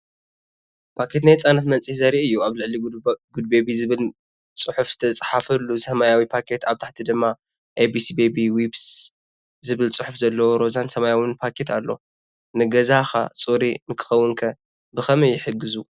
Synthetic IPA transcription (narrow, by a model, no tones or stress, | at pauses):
pʰakʰe̞t̪najt͡sʼanɐt̪mɐnt͡sʼihzɐɾiʔɨjːuaβlɨʕliɡud̪̚bebizɨβɨl | t͡sʼɨħufz̥ɨt̪ʰɐt͡sʼħafɐlːuzɨhɐmajawipʰakʰe̞t̪ʰaβt̪ʰaħt̪ʰid̪ɨmːa | ʔebisibebiwibs | zɨβɨlt͡sʼɨħufzɐlːɐwoɾo̞zansɐmajawɨnpʰakʰe̞t̪ʰalːo̞̰ | nɨɡɐzaxa̰t͡sʼuɾinɨkʰɨ̥xɐwːʊnkʰɐ | bɨxɐmɐjːɪħɨɡːɨzu